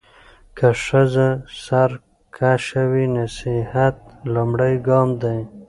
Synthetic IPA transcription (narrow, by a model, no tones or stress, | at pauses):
kʰaʂəzasaɾ | kʰaʃawinasihat̪̚lumɽajɡɑːmd̪aj